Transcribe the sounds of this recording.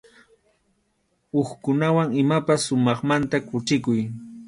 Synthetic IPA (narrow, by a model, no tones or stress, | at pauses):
oχkʊnawaŋɪmapasːʊmɑχmant̪akʊt͡ʃɪkʊj